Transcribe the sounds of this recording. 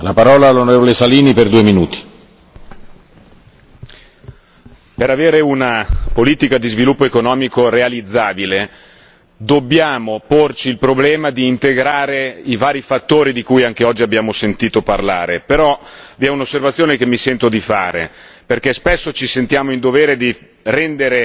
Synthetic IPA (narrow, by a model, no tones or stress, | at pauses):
lapaɾɔːlaːlːonoɾeːvolesaliːniperd̪uːeminuːt̪i̥ | peɾaveːɾeunapoliːt̪ikad̪izvilupːoekonɔːmikorealid̪zːaːbile | d̪obːjaːmoport͡ʃiːlpɾoblɛːmad̪iːnt̪eɡɾaːɾeivaːɾifat̪ːoːɾid̪ikujaŋk̟eɔd͡ʒːiabjaːmosent̪iːt̪oparlaːɾepeɾɔviɛunosːervat̪sːjoːnekemːisɛnt̪od̪ifa̰ːɾḛ | perkɛspɛsːot͡ʃisent̪jaːmoind̪oveːɾed̪i | rɛnd̪eɾe